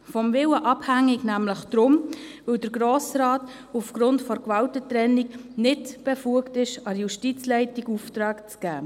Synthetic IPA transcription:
fɔmvɪwəʔɑbhæŋːiɡnæmləχd̥ɾʊmʋɪwd̥əɾɡɾoːsɾɑːt | ufɡ̥ɾʊntfɔɾkʋɑltətɾɛnːiknɪtb̥ɛfuəktɪʃɑɾjuʃtit͡slɛɪtiɡuft̪ɾɑːkt͡sɡ̥æː

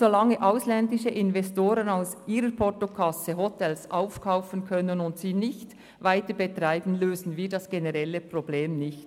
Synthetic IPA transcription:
z̥olɑŋːəʔaʊslɛndɪʃəʔɪnvɛstoːɾənaʊsiːɾəɾpʰɔtokʰɑsəɦɔtʰɛlsʔaʊfkʰaʊfənkʰœnənʊntsiːnɪçt | vaɪtəbətʁaɪbn̩løːzn̩viːdɑsɡ̥enəʁɛlːəprobleːmnɪçt

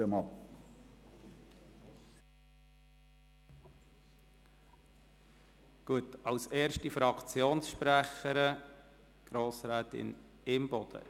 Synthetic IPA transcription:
əmɑ | ɡ̥uətɑlsɛːɾʃtifɾɑkʰt͡sjoːnsʃpɾæχəɾə | ɡ̥ɾoːsɾæːt̪ɪ̰n | ɪmb̥ɔd̪̥ə̰

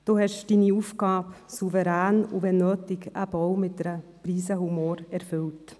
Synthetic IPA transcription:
d̥oːhɛʃd̥iːniuːfɡɑːbsuvəɾæːnuvɛnːøːtɪkəb̥ɔwmɪt̚dɛɾəpriːsəhumoːɾɛɾfʏlt

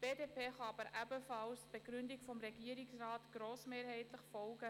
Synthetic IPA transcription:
b̥eːdeːpeːχɑɑbəɾʔæbəfɑlstb̥eɡɾʏndɪkfɔmɾeɡiəɾɪksrɑːtɡ̥ɾoːsmeːɾɦɛɪtləχfɔlɡə

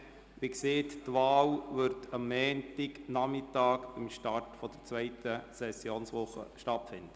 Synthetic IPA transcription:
ʋikseːttʋɑːlʋʏɾtʰɑmːɛːntɪknɑmɪt̪ɑːkb̥ɪmʃtɑrtfɔd̥̪əɾt͡sʋœɪtəsɛsjoːnsʋʊχːə̰ʃtɑtfɪnd̪̥ə

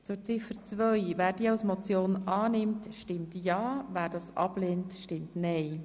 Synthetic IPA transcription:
t͡sʊɾt͡sɪfəɾt͡svʋœjvæːɾdiəɑwsmot͡sjoːnɑːnɪmtʃtɪmtjɑːvæːɾd̥ɑːsʔɑ̰b̥leːntʃtɪmtnɛɪ

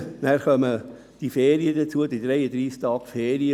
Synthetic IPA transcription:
næːɾχœmə | d̥ifeːɾiəd̪ət͡suəd̥̪id̪ɾɛjəd̪ɾiːst̪ɑːkfeːɾiə

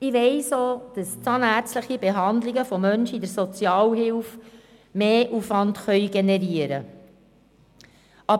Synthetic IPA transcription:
ɪʋɛɪsoːd̥əst͡sɑnæɾt͡sləχibeɦɑnd̪liɡəfɔmœnʃidəɾsɔt͡sjɑːlɦɪlf | meːʔuːfʋɑntχœʏɡenɛɾiəɾə | ʔɑ

